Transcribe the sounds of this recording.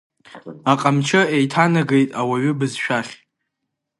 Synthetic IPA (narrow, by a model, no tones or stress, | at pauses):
aqʼamt͡ʃʰɨejtʰanaɡe̞jtʼawaɥʏbɨzʃᶣaχʲ